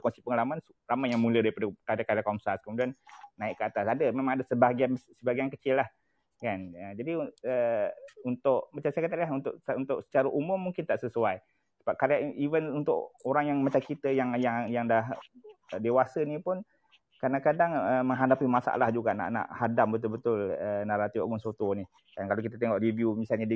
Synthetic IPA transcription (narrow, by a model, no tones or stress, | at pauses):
kɔnsipəŋalamãn | ramajaŋmulədaipadəkadakaɾakɔmsaskəmudiannaɪʔkəat̪asadəmemãŋadəsəbaɡiansəbaɡiankət͡ʃɪlːah | kanəd͡ʒadiəunt̪ʊʔmat͡ʃasakət̪aʔilaɦunt̪ʊʔunt̪ʊʔsə̥t͡ʃaɾəʔumʊmːuŋkɪnt̪aʔsəsuaj | səbap̚kaɾiaivənunt̪ʊ̰ʔoɾaŋjaŋmat͡ʃamkit̪əjaŋjajaŋdah | dewasənipʊn | kadaŋkadaŋəməŋɦadapimasa̰ʔa̰lahd͡ʒuɡa̰ʔna̰ʔna̰ʔhadambət̪ʊlbət̪ʊlənaɾat̪io̰ɡɔŋsot̪oni | kankalokit̪at̪eŋɔʔɾivjumisalɲadi